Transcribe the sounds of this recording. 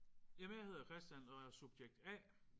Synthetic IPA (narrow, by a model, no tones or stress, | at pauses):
emehe̝ð̞̰ˠɐkʰʁɛsd̥jænɒ̽æsub̥jeɡ̥̚d̥æ̰